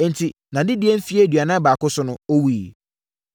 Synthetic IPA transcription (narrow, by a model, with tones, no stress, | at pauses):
n̩˨tʰi˨nã˨dɪ˦di˦e˦m̩˦fi˦e˦dɥa˨nã˦baː˨kʊ˦sʊ˦nʊ̃˦o˦wi˦˨i˨